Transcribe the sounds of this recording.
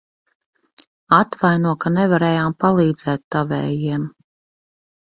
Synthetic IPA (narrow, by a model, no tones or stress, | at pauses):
at̪vajnuɔkanɛvaɾɛːjaːmpalˠiːd̪z̥ɛːt̪ːavɛ̰ːjiɛm